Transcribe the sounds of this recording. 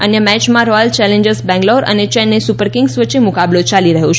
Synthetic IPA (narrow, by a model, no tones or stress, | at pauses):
ənjəmɛt͡ʃmãɾɔjəlt͡ʃɛlẽɲd͡ʒəɾsbɛ̃ŋɡloɾə̰net͡ʃɛnːesupəɾkɪŋɡsʋət͡ʃːemukablot͡ʃaliɾəɦõt͡ʃʰ